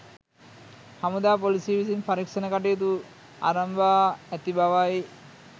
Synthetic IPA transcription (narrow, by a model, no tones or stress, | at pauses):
hamud̪aːpolisiʋisinpaɾikʂɐnəkaʈ̬ijt̪̬u | a̰ɾɐmʋaːæt̪ibaʋai